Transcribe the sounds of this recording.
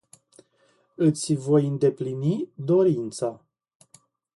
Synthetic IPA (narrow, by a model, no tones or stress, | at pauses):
ɨt̪sʲvo̞jɨnd̪e̞plinid̪o̞ɾint̪sa